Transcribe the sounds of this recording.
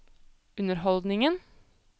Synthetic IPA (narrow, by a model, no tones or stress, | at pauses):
ʉnəɾhɔld̪nɪŋən